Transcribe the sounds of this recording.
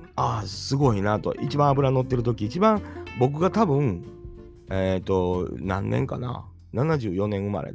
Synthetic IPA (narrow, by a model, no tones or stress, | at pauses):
asɨɡo̞inat̪o̰ʔit͡ɕibãɰ̃abɯ̟ɾano̞t̪ːe̞ɾɯ̟t̪̬o̞kʲiːt͡ɕibãɰbo̞k̬ɯ̟ɡat̪abɯ̟̃ŋ | et̪ːo̞nã̰nːḛ̃ŋka̰na̰ | nanaʑɨːjo̞nẽ̞ɰ̃ɯma̰ɾʔḛd̪